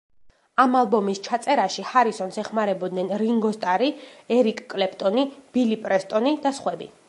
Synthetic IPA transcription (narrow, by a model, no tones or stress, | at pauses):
amalˠbɔmist͡ʃʰat̪sʼɛɾaʃihaɾisɔnsɛχmaɾɛbɔd̪nɛnɾiŋɡɔst̪ʼaɾiɛɾikʼkʼlɛp̚ʰʼt̪ʼɔnib̥ilipʼɾɛst̪ʼɔnid̪asχwɛbḭ